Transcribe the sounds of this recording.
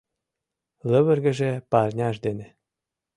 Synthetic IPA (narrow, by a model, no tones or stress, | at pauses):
lɘ̆βɘ̆rɡɘ̆ʒepɑrnʲɑʃd̪enʲĕ